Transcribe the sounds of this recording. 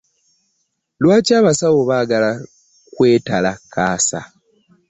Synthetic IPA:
lwaːcaːβasawoβaːɡala | kwe̞ːtalakaːsa̰

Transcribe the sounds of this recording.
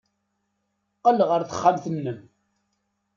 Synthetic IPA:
qəlʁəɾθə̥χːamθənːəm

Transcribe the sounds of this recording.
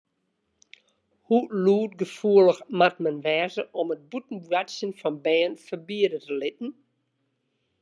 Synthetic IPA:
huluːtɡəfuələxmat̚mɛnʋɛːzəʔɔmət̚butn̩bwatsjənfɔnbɛːnfərbiədətəlɪtn̩

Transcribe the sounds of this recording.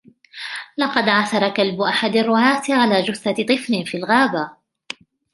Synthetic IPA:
lɑqɑd̪ʕaθɑɾˤɑkalbʊʔaħad̪arˤːʊʕaːt̪ʕalaːd͡ʒʊθːat̪ˤɨflɪnfiːlɣaːba

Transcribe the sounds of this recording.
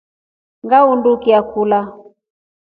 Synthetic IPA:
ŋɡaundukiakula

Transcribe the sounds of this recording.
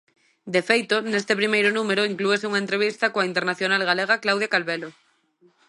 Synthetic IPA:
d̪efejt̪onest̪epɾimejɾonumeɾoiŋklueseuŋaent̪ɾeβ̞ist̪akoaint̪eɾnaθjonalɣ̞aleɣ̞aklawðjakalβelo

